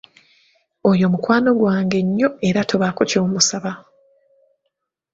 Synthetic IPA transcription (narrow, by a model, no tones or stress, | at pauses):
o̞jo̞mukwaːno̞ɡwaːŋɡe̞ɲːo̞e̞ɾatʰoβakucoːmusaβa